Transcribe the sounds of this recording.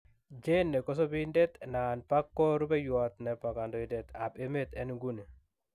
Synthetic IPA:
d͡ʒe˦nːe˨kɔ˦s̬o˦bi˦nde˦t̪na˨npa˦kːɔ˦ɾu˦be˦jwa˨t̪ne˨pa˨ka˨ndo˨i˦de˨t̪a˨pe˦me˦t̪ɛ˦nɡu˦ni˨

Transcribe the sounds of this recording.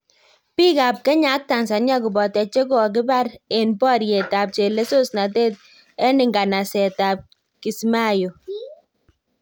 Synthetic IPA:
pi˦ka˨p̚kɛ˦ɲa˨˦k̚ta˨nsa˨nɲa˦ku˨bɔ˨tɛ˨t͡ʃe˦ko˦˨k̬ɪ˦ba˦ɾe˨npɔ˦ɾje˨ta˨p̚t͡ʃe˨le˦so˦sna˨te˦t̚ | ɛ˦nɪ˨ŋɡa˨na˨sɛ˨ta˨p̚ | ki˨sma˦jo˨

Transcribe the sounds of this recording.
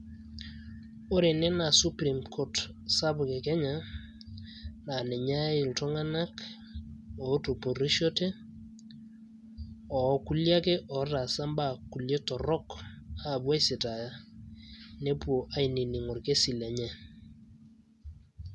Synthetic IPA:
o˦ɾe˨nɛ˦na˨su˦pɾi˨mkʰo˦tsa˦bʊ˨ke˨kɛ˦ɲa˦ | na˨nɛ˨ɲa˦ɪ˨ltɔ˦ŋa˦na˦k | ɔ˨˦to˨po˨ɾi˦ʃo˦te˦ | ɔ˨˦ku˦lja˦ke˦ʔɔ˨˦ta˨sa˦mba˦˨ku˨lje˦tɔ˨ɾɔ˦ka˨bwa˦jsi˨ta˨ja˦ | ne˦pu˦o˨ʔa˨i˨ni˨ni˨ŋɔ˨ɾke˦si˨lɛ˨ɲɛ˦

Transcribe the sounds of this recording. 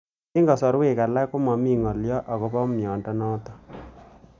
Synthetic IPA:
ɪ˦ŋɡɔ˨sɔ˨ɾwɪ˦˨ka˨la˦kʊ˦mɔ˨mi˦˨ŋɔ˨ljɔ˦ʔɔ˨kɔ˨˦pɔ˦mjɔ˨ndɔ˦nɔ˦t̪ɔ˨

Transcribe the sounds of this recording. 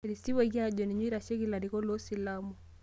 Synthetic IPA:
e˨ɾi˨si˦wa˦ɣi˦a˦d͡ʒɔ˨ni˨ɲwi˦ɾa˨ʃe˦ki˦la˨ɾi˨kɔ˦lɔ˦si˨la˦mɔ˨

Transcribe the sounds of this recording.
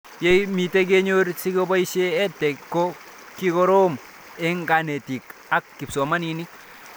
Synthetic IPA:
je˦jmi˨te˦k̬e˦ɲo˦ɾsi˦ko˦bɔ˦i˦ʃeː˦tːɛ˨kːo˦ | ki˦kɔ˦ɾo˦m | ɛ˦ŋɡa˨ne˨ti˨ka˨kːi˨psɔ˨ma˦ni˨ni˦

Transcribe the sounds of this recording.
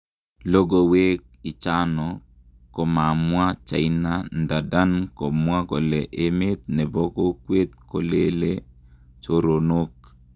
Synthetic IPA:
lo˦ɡo˦we˦k̚ | i˨t͡ʃa˦nɔ˨ | ko˨ma˨mwa˦t͡ʃa̰˨ina˦nda˨da˦nko˨mwa˦ko˨lɛ˨ʔe˦me˦t̪̚nɛ˨bo˦ko˦kwe˦t̪̚ko˨le˦le˦ | t͡ʃo˦ɾo˨no˦k

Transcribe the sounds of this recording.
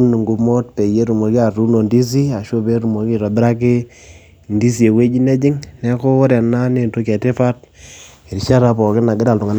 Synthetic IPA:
nu˨ŋɡu˨mo˦t̚pe˨je˦ɾu˨mo˨ki˦a˨tu˦no˨ndi˦s̬i˦a˨ʃo˦be˦ɾu˨mo˨ki˦ɾɔ˨bɾa˦k̬ɪ˦ | ndi˦s̬i˨e˨we˦d͡ʒi˦nɛ˦d͡ʒɪ˦ŋnɛ˦ko˦ɾɛ˨na˦ne˨nto˦kɛ˨te˦fa˦t̚ | e˨ɾi˨ʃa˦ɾa˨pɔ˨kɪ˦na˨ɡɪ˦da˨ltʊ˨ŋa˦n

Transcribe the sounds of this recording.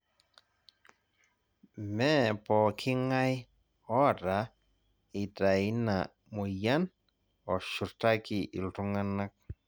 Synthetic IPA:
mɛ˦pɔ˨kʰɪ˦ŋa˦j | ɔ˦˨ɾa˨˦ | i˨ta˨i˦na˨ | mo˨ja˦n | ɔ˨ʃu˨ɾta˦ki˨ʔḭ˨ltu˦ŋa˦na˦k̚

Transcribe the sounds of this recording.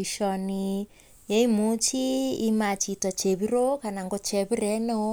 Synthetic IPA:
iʃɔ˨ni | je˦i˦mu˨˦t͡ʃi˦i˦ma˨t͡ʃi˨tɔ˨t͡ʃe˨βi˦ɾo˦ka˨na˨ŋɡɔ˦t͡ʃɛ˨βi˦ɾɛ˦nɔ˦

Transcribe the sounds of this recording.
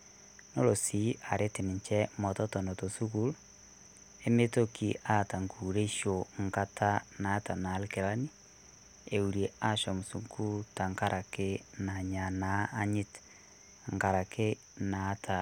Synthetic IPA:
no˦lo˨si˨ʔa˨ɾʔe˦ti˨ni˨ɲt͡ʃɛ˦mɔ˨tɔ˦tɔ˨no˨to˨su˦ku˦l | e˦me˦to˦ki˨a˦ta˨ŋɡu˨ɾe˦ʃo˨ŋɡa˦tʰa˦naː˨˦ta˨na˨˦lɪke˨la˦ni˦ | e˨u˨ɾe˨a˦ʃɔ˨mu˨su˨ŋɡu˦ta˨ŋɡa˦ɾʔa˨ke˦na˨ɲa˨na˦a˦ɲɪ˦t | ŋɡa˨ɾa˨kʰe˦ | naː˨˦tʰa˨

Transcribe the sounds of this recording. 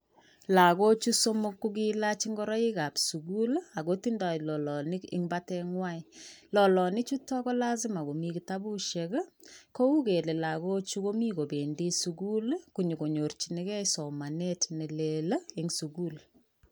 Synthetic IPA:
la˨ko˦t͡ʃu˦so˦mo˦kːu˦ki˦la˦t͡ʃi˦ŋɡɔ˦ɾɔ˦i˦ka˨psu˨ɡu˦la˨ko˦ti˦nda˨i˨lɔ˨lɔ˨nɪ˦kɪ̰˦ŋba˦tɛ˦ŋwa˦ilɔ˨lɔ˨nɪ˦t͡ʃu˦tɔ˦kɔ˦la˦s̬ɪ˦ma˨ko˨mi˦ki˦ta˦bu˦ʃe˨kko˦u˦ke˨le˨la˨ko˦t͡ʃu˦ko˦mi˦ko˨be˨ndi˦su˨ɡu˦lku˨ɲi˨ko˨ɲo˨rt͡ʃi˨ne˦kɛ˦sɔ˨ma˨ne˦tne˨le˨lɪ˦ŋsu˨ɡu˦l

